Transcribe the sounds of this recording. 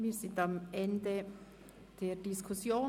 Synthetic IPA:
miːzɪntamɛndə | d̥eːdiskʰusjoː

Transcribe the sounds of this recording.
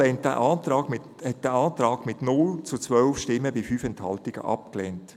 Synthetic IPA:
ɛntd̥æ̰ʔɑːtɾɑːɡmɪ | hɛt̚d̥æɑːtɾɑːɡ̥mɪtnʊlt͡sut͡sʋœlfʃtɪmːəbifyːfɛnthɑltɪɡ̥ə̰ʔɑ̰p̚klɛnt

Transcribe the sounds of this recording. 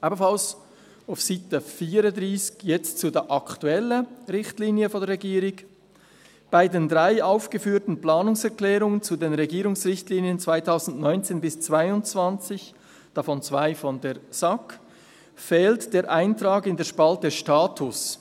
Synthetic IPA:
ʔaːbəfals | afsɪtəfiːɾədʁiːskjɛt͡stt͡sudeːʔɑktuɛləʁɪçtliːnjəfɔndɾʁeɡiːɾɪk | b̥aɪdendʁaɪʔaʊfɡ̥əfyːtn̩plaːnʊŋsɛɾklɛːɾʊŋənt͡sudeːnʁɛɡiːɾʊŋsʁɪçtliːniənt͡sv̥aɪtʰaʊzn̩dnɔʏnt͡seːnbɪst͡sv̥aɪʊnt͡sv̥ant͡sɪç | d̥ɑfɔnt͡sv̥aɪfɔndeːsɑk | fɛːltd̥eːɾʔaɪntʁaːɡɪndeːɐʃpaltəʃtaːtʰʊs

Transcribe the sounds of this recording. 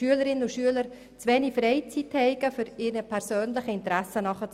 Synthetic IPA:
yələɾɪnənuʃyələɾ | t͡svɛːnifrɛɪt͡sithɛɪɡəfʏɾɪːnəpʰɛɾsøːnlɪχəɪntəɾɛsənɑχə

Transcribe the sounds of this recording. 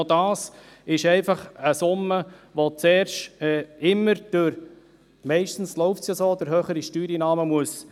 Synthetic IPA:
odɑːs | ɪʃɛɪfɑχəsʊməʋot͡sɛːɾʃɛɪmːəɾd̥øɾ | mɛɪʃtn̩sloʊftsjasoːd̥̪əɾɦøːχəɾiʃtyːɾinɑːməmuəs

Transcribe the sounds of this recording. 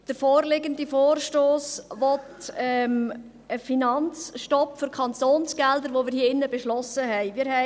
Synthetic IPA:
d̥əɾfoːɾlɪɡəndifoːrʃtoːsʋɔtɛm | əfinɑnt͡sʃtɔpfʏɾkʰɑntoːnsɡ̥ɛldəɾʋomɪːɾhiːɪnːəbeʃlɔsəɦɛɪmiːɾhɛ

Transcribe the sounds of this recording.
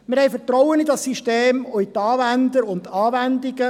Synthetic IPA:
mɪɾhɛjfətrɔwənidɑsiʃteːmoit̪ɑːvænd̪əɾʊnd̪ɑːvænd̪iɡə

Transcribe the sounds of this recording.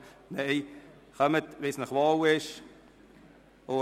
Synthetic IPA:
neɪ | χœmət̪ʋɪsnəχʋɑːwɪʃ | o

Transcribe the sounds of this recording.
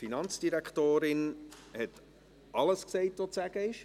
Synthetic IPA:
finɑnt͡sd̥iɾækχtoːɾɪnhɛt | ʔɑləsksɛɪtʋot͡sæɡ̥əɪʃ

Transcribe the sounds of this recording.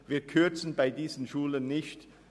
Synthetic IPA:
vɪɐt̚kʰʏɐt͡sn̩baɪdiːzən̩ʃuːlənːɪçt

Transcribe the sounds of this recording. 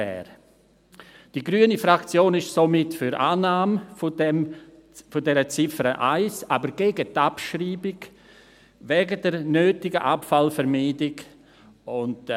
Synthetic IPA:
ɛ̰ːɾ | d̥iɡɾyːənifɾakt͡sjoːnɪʃsomɪtfʏɾʔa̰ːnaːmɛm | fʊdɛɾət͡sɪfəɾəʔaɪsaːbəɾɡeːɡətapʃriːbɪɡ | vɛːɡədɛɾnøːtɪɡəʔapfalfɛɾmiːdɪɡ | ʊnt

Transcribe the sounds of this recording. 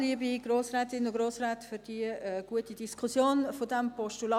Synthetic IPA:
liəbiɡɾoːsɾɛːt̪ɪnʊɡ̥ɾoːsrɛːtfʏɾd̥iəəɡ̥uətid̥iskʰusjoːnfodæmpɔʃtulɑ

